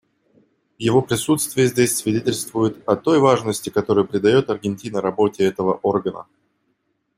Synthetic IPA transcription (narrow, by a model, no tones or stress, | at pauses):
vjɪvo̞pɾʲɪsut̪st̪vʲɪjəzʲdʲesʲsvʲɪdʲetʲɪlʲst̪vʊjʊt̪ɐt̪o̞jvaʐnəsʲtʲɪkɐt̪o̞ɾəjpɾʲɪd̪ɐjo̞t̪ɐrɡʲɪnʲtʲinəɾɐbo̞tʲɪɛt̪əvəʔo̞rɡənə̰